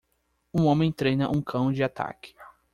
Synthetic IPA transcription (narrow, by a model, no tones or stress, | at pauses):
ũõmẽj̃t̪ɾejnɐʔũkʰɐ̃w̃d͡ʒɪat̪a̰kɪ̥